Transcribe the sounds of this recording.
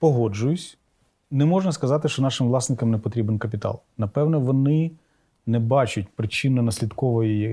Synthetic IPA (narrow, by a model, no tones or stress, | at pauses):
pɔɦɔd͡ʒʊjʊsʲ | nɛmɔʒnɐskɐzɑt̪ɪʃt͡ʃɔnɑʃɪmʋlˠɑsnɪkɐmnɛpɔt̪ɾʲibenkɐpʲit̪ɑ̰lˠnɐpɛwnɛʋɔnɪ | nɛbɑt͡ʃʊt̚ʲpɾɪt͡ʃɪnɐnɐsʲlʲid̪kɔʋɔjij